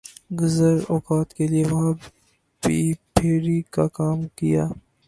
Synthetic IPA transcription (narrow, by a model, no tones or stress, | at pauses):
ɡʊzəɾɔːkaːt̪kelieʋɐɦã | biːpʰeːɽikakaːmkija̰ː